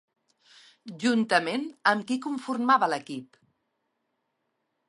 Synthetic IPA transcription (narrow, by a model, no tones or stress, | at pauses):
ʒunt̪əmenəmkikuɱfurmaβələkip